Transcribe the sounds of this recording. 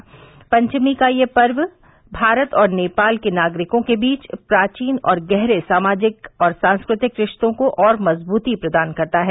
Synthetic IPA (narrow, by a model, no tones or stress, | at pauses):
pɐ̃ɲt͡ʃmikajepɐɾʋ | bʱaːɾət̪ɔːɾneːpaːlkenaːɡɾɪkõkebiːt͡ʃpɾaːt͡ʃiːnɔːɾɡɛɦɾesaːmaːd͡ʒɪkɔːɾsãːnskɾɪt̪ɪkɾɪʃt̪õkoʔɔːɾmɐzbuːt̪ipɾɐd̪aːnkɐɾt̪aɦɛː